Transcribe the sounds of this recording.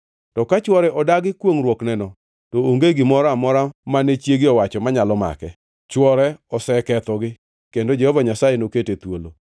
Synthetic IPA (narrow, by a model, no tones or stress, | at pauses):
tɔkat͡ʃwɔɾɛʔɔdaɡɪkwoŋɾwoknɛnɔ | tooŋɡeɡɪmɔɾamɔɾamanɛt͡ʃjeɡɪɔwat͡ʃɔmaɲalɔma̰kɛ | t͡ʃwɔɾɛɔsɛkɛt̪ɔɡɪ | kendod͡ʒɛhɔvaɲasajenoketet̪wolo